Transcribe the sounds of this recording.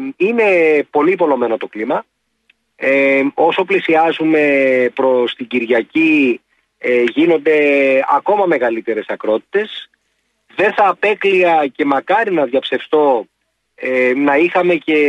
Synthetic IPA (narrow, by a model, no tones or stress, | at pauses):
ine̞po̞lipo̞lo̞me̞no̞t̪o̞klimɐ | o̞so̞plisiɐzume̞pɾo̞st̪iɟiɾʝɐci | ʝino̞nd̪e̞ɐ̰ko̞mɐme̞ɣɐlit̪e̞ɾe̞sɐkɾo̞t̪i̥t̪e̞s | ðe̞nθɐːpe̞kliɐce̞mɐkɐɾinɐðʝɐpse̞fst̪o̞ | enɐixɐme̞ce̞